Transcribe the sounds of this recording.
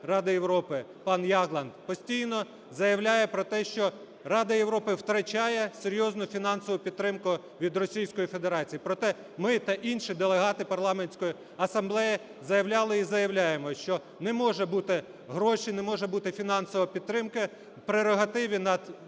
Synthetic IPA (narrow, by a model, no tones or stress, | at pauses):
rɑd̪ɪjewɾɔpɪpɑnjɑɣlˠɐnd̪pɔsʲtʲijnɔ | zɐjɐwlʲajɛpɾɔt̪ɛʃt͡ʃɔ | rɑd̪ɐjeʋɾɔpɪwt̪ɾɐt͡ʃɑjɛseɾʲjɔznʊfʲinɑnsɔʋʊpʲid̪t̪ːɾɪmkʊ | ʋʲid̪rɔsʲijsʲkɔjife̞d̪eɾɑt͡sʲijipɾɔt̪ɛ | mɪt̪ɐʔinʃid̪elˠeɦɑt̪ɪpɐrlˠɑmenʲsʲkɔji | ɐsɐmblˠɛjɛ | zɐjɐwlʲɑlˠɪizɐjɐwlʲajemɔʃt͡ʃɔ | nɛmɔʒɛbut̪ɪ | ɦɾɔʃinɛmɔʒɛbut̪ɪfʲinɑnsɔʋɐpʲid̪̚t̪ːɾɪmkɪ | pɾeɾɔɦɐt̪ɪʋʲinɐd̪